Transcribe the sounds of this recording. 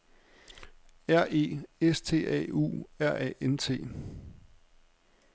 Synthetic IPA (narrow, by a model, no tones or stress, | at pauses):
æɐ̰ʔe̝̰ːest͡sʰe̝̰ːɛ̰ːṵːæɐ̰ɛ̰ːent͡sʰe̝̰ː